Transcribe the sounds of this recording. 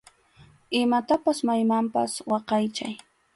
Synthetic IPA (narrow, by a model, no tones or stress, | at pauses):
ɪmat̪apasmajmampa̰swɑqɑjt͡ʃaj